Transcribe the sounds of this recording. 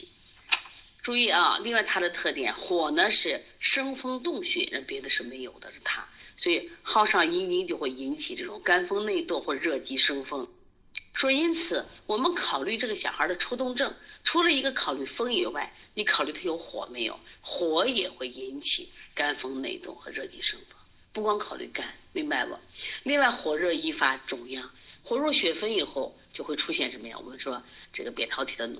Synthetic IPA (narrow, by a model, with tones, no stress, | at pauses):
ʈ͡ʂu˥˧i˥˩ɐ̰˧˩li˥˧ŋwa˥˩ɪt̪ʰa˥d̪ə˨t̪ʰɤ˥˩t̪jɛ̰˨˩˦nxwɔ˨˩nə˦ʂɻ̩˥˩ʂɤ˥ŋfɤ˥ŋt̪ʊ˥˧ŋɕɛ̰˨˩˥a˥˩pjɛ˧˥d̪ə˧ʂɻ̩˥˩me˧˥ɪjo˨˩ʊd̪ə˦ʂ̩˥˩t̪ʰa˥swɔ˧˥i˨˩xɑ˥˧ʊʂɑ˥˩ŋi˧˥ni˧˥ŋt͡ɕjo˥˧ʊxwe˥˩ɪi˧˥nt͡ɕʰi˨˩ʈ͡ʂɤ˥˩ʈ͡ʂʊ̰˨˩ŋka˥nfɤ˥ŋne˥˧ɪt̪wɔ˥˧xwɔ˥˧˩ʈ͡ʂə˩ɻɤ˥˩t͡ɕi˥ʂɤ˥ŋfɤ˥ŋ | ʂwɔ˥i˥nt͡sʰɹ̩˨˩˦wɔ˨˩mə˦nkʰɑ˨˩ʊly˥˧ʈ͡ʂɤ˥˩ɡə˩ɕjɑ˨˩xə˞˧˥d̪ə˧ʈ͡ʂʰo˥ʊt̪̬ʊ˥˧ŋʈ͡ʂɤ˥˩ŋʈ͡ʂʰu˧˥lə˨i˧˥ɡə˧kʰɑ˨˩ʊly˥˩fɤ˥ŋi˨˩wa˥˩ɪni˧˥kʰɑ˨˩ʊly˥˩t̪ʰjo˧˥ʊxwɔ̰˨˩˦me˧˥ɪjo̰˨˩˦ʊxwɔ˧˥jɛ˨˩xwe˥˩ɪi˧˥nt͡ɕʰḭ˨˩˦ka˥nfɤ˥ŋnḛ˥˧ɪt̪ʊ̰˥˩xɤ˧˥ɻɤ˥˩t͡ɕi˧˥ʂɤ˥ŋfɤ˥ŋ | pu˥˩kwɑ˥ŋkʰɑ˨˩ʊly̰˥˩ka˥nmi˧˥ŋba˥˩ɪwɔ̰˨˩˦li˥˧ŋwa˥˩ɪxwɔ˨˩ɻɤ˥˩i˥fa˧˥ʈ͡ʂʊ˨˩ŋjɑ˥˩ŋxwɔ˥˩ɻwɔ˥˩ɕɥɛ˧˥fə˥ni˨˩xo˥˧ʊ | t͡ɕjo˥˧xwe˥˩ɪʈ͡ʂʰu˥ɕjɛ˥˩nʂə˧˥mə˧jɑ̰˥˩˨wɔ̰˨˩mə˧˦nʈ͡ʂ̩˥d̪ɑ˥˧˩ʈ͡ʂɤ˥˩ɡə˩pjɛ˨˩nt̪ʰɑ˧˥ʊt̪ʰi̥˨˩d̪ə˦nṵ˨˩